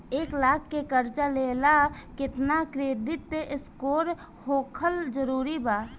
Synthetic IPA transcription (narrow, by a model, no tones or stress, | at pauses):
eːklaːkʰːekəɾt͡ʃaleːlakɪt̪nakɾeːd̪ɪt̪̚ːeʔɪskoːɾ | hoːkʰəld͡ʒəɾuːɾibaː